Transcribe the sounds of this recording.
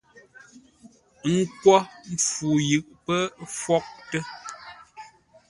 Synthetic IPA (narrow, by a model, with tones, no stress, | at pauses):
ŋ̩˦kwɔ˦m̩˦˨fu˨jʉ˨ʔpə˦fwɔ˦k̚tə˦